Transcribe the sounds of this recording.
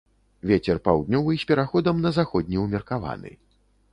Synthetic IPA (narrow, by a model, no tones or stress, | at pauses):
vʲet͡sʲɛrpawd̪nʲɔvɨsʲpʲɛɾaxɔd̪ɐmnɐzaxɔd̪ʲnʲiumʲɛrkava̰nɨ̰